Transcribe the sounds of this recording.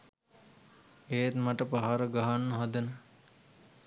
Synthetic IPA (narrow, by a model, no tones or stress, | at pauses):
eːt̪maʈəpaɦaɾəɡaɦanːəɦad̪ənə